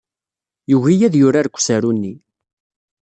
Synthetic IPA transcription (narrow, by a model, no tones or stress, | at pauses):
juʝijæðjʊɾaɾkʷːsæɾunːi